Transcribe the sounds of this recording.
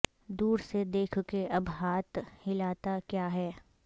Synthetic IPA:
d̪uːɾsed̪eːkʰkeʔɐbɦaːt̪ʰhɪlaːt̪akjaːɦɛː

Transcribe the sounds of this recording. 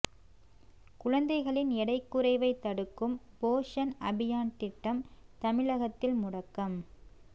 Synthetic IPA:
kʊɻɐnd̪ɐɪɣɐɭɪnɛɽɐɪkːʊɾɐɪʋɐɪt̪ːɐɽɯkːɯmpoːʂɐnɐbɪjaːnt̪ɪʈːɐmt̪ɐmɪɻɐɣɐt̪ːɪlmʊɽɐkːɐm

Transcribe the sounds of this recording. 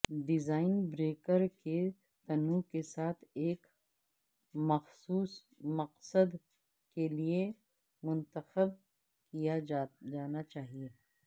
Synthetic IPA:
ɖɪzaːɪnbɾeːkəɾke | t̪ɐnũkesaːt̪ʰeːk | mɐxsuːs | mɐqsəd̪ | kelie | mʊ̃nt̪əxəb̚ | kijad͡ʒaːnat͡ʃaːɦieː

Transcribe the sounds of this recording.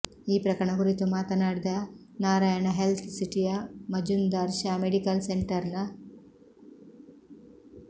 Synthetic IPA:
iːpɾɐkɐɾɐɳɐkuɾit̪umaːt̪ɐnaːɽid̪ɐ | naːɾaːjɐɳɐɦelt̪ʰsiʈijɐmɐd͡ʒund̪ɐɾʃameɽikɐlseɳʈɐɾnɐ

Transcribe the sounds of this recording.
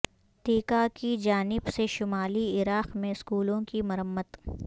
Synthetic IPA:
t̪iːkakid͡ʒaːnɪbseʃʊmaːliɪɾaːqmẽɪskuːlõkimɐɾəmːət̪

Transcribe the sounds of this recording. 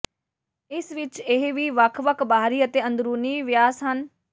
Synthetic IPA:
ɪsʋɪt͡ʃɪɦʋiːʋəkʰʋəkʰbaːɾiːət̪eːə̃nd̪ɾuːniʋjaːsɦən

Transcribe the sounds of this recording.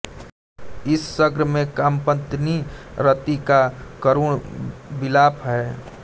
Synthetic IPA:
ɪsːəɡɾmẽkaːmpə̃nt̪niɾət̪ikakəɾuːɽbɪlaːpʰɦɛ

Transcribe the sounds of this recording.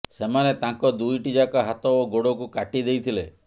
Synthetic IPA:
semanet̪ãŋkɔd̪ujʈid͡ʒakaɦat̪ɔːɡoɽɔkukaʈid̪ejt̪ʰile

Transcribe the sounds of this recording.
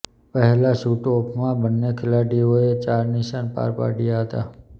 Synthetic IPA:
pəɦɛlaʃuʈopʰmãbənːekʰɪlaʈioet͡ʃaɾniʃanpa̰ɾpa̰ɽijaɦət̪a̰

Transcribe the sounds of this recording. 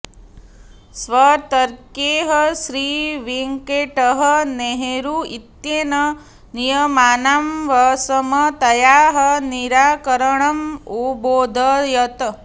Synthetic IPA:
sʋɐt̪ɐɾkeːɦɐʃɾiːʋiŋkeːʈəɦəneɦeɾuit̪jeːnɐ | nijɐmaːnaːmʋɐsɐmɐt̪ɐjaːɦɐniɾaːkɐɾɐɳɐmuboːd̪ʱɐjɐt̪

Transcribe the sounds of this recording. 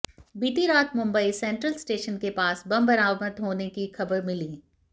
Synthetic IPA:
biːʈiɾaːt̪mʊ̃mbəisɛ̃ɳʈɾəlsʈeːʃənkepaːsbɐ̃mbɐɾaːmət̪ɦoːnekixɐbəɾmɪliː

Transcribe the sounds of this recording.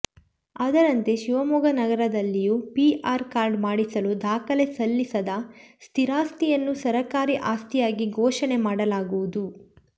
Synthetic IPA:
ɐd̪ɐɾɐnt̪e̞ʃiʋɐmuɡɐnɐɡɐɾɐd̪ɐlːijupiʔaːɾkaːɾɖmaːɽisɐlud̪aːkɐle̞sɐlːisɐd̪ɐst̪ʰiɾaːst̪ijɐnːusɐɾɐkaːɾiʔaːst̪ijaːɡiɡʱɔːʃɐne̞maːɽɐlaːɡuʋud̪u

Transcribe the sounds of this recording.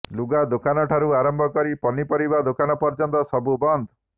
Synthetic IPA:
luɡad̪okanɔʈʰaɾuaɾɔmbʱɔkɔɾipɔnipɔɾibad̪okanɔpɔɾd͡ʒɔnt̪ɔsɔbubɔnd̪ʱɔ

